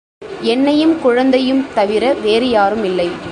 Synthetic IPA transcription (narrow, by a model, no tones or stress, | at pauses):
ɛnːɐjɯmkʊɻɐnd̪ɐjɯmt̪ɐʋɪɾɐʋeːɾɪjaːɾɯmɪlːɐɪ